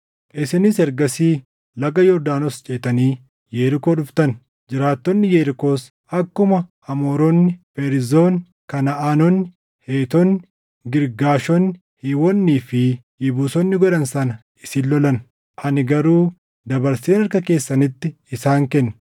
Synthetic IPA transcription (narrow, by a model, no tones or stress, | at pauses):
ʔɪsɪnɪsɛɾɡɐsiː | lɐɡɐjɔɾd̪aːnɔst͡ʃʼeːt̪ɐniː | jeːɾɪkoːᶑʊft̪ɐn | d͡ʒɪɾaːt̪ːɔnːɪjeːɾɪko̞ːs | ɐkːʊmɐ | ɐmo̞ːɾɔnːɪfeɾɪzo̞ːn | kɐnɐaːnɔnːɪ | heːt̪ɔnɪ | ɡɪɾɡaːʃɔn | hɪwɔnːiːfɪ | jɪbuːsɔnːɪɡɔᶑɐnsɐnɐ | ɪsɪllːɔlɐn | ʔɐnɪɡɐɾuː | d̪ɐbɐɾse̞ːnɐɾkɐke̞ːsːɐnɪt̪ːɪ | ɪsaːŋkɛnːɐ̥